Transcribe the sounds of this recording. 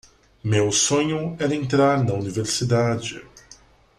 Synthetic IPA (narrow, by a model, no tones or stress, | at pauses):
mewsõɲʊɛɾɐẽnt̪ɾaɾnɐuniveɾsid̪ad͡ʒɪ̰